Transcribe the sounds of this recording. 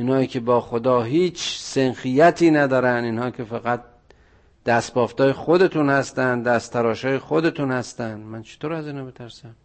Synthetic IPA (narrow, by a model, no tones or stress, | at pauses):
ʔinhɒːiːkʰebɒːxod̪ɒːɦiːt͡ʃʰsenxijæt̪ʰiːnæd̪ɒːɾæniːnhɒːikʰʲe̞fæɣæt̪̚ | d̪̥æst̪̚bɒːft̪ɒːjexod̪e̞t̪ʰunhæst̪ænd̪d̪æst̪ʰæɾɒːʃɒːjexod̪e̞t̪ʰunhæst̪ænd̪mænt͡ʃʰe̥t̪oːɾæziːnhɒːbet̪ʰæɾsæm